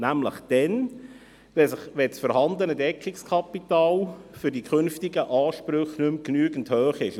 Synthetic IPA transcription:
næmlə̰χd̥ɛn | ʋɛsəχʋɛt͡sfɔɾhɑndənədɛkχɪkskʰɑpitɑːlfʏɾdikʰʏnftɪɡəʔɑːʃpɾøχnʏmknyəɡən̩thœːχɪʃ

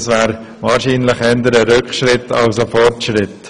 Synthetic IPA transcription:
svɛːɾ | vaːɾʃiːnlɪχɛndəɾəɾʏkχʃɾɪtʰɑlsəfɔɾtʃɾɪt

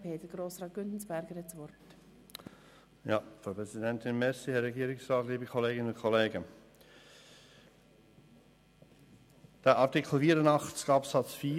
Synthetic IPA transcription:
pʰeːtəɡ̥ɾoːsrɑːt̚ɡ̥ʏndn̩sb̥ɛɾɡəɾɛt͡sʋɔɾt | jɑːfɾɑʊpʰʁɛzidɛntɪnmɛsihɛɾːɛɡiːɾɪksʁɑːtliːbikʰɔleːɡɪnəʊnkʰɔleːɡə | d̥ɛʔɑɾtikʰl̩fiːəɾənɑχt͡sɡ̥ɑːpsɑt͡sfiː

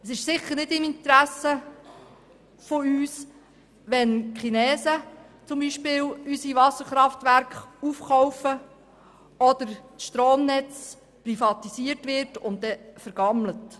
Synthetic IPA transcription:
əsɪʃsɪχːəɾnɪdɪmint̪ɾæsə | foyːs | ʋɛnχinɛːsə | t͡sʊmbiʃpɪːwysiʋɑsəɾχɾɑft̪ʋæɾkχufχɔwfə | ɔd̪̥əɾt͡sʃtɾoːmnɛt͡s | prifɑt̪isiətʋɪrtʊntdɛfəɾɡɑmlət

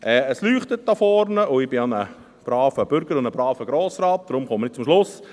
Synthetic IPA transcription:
ʔɛːəslyːχt̪ət̚d̥ɑfɔɾnəʔʊɪb̥ɪɑnə | b̥ɾɑːfəb̥ʏɾɡəɾʊndəbɾɑːfəɡɾoːsɾɑːt̚d̪̥ɾʊmχɔmənɪt̪̚t͡sʊmʃlʊs

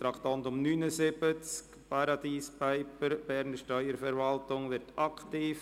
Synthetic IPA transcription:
t̪ɾɑkt̪ɑntʊmnyːnəsɪb̥ət͡sk | pʰɑɾɑd̪iːspaɪpəɾb̥ɛɾnəʃtœʏəɾfɛɾvɑltʊŋʋɪɾtɑktiːf

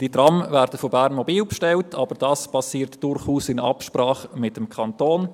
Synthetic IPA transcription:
d̥idrɑmvæːɾdəfobæɾnmɔbiːlpʃtɛltʰɑb̥əɾd̥ɑːspʰɑsiːɾtd̥ʊrχuːsɪnɑ̰pʃpɾɑːχmɪtəmkʰɑntoːn

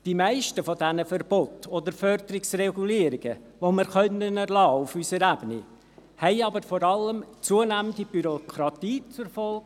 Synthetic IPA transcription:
d̥imæɪʃtəfodænəfəɾb̥ɔt̪od̪əɾfœɾd̪əɾɪksrɛɡuliːəɾiɡ̥ə | ʋoməɾχœnənɛɾlɑːufysəɾæbənḭ | hɛɪɑbəɾfɔɾɑləmt͡suənæməndib̥yɾokʰɾɑt̪iːt͡suɾfɔlɡ

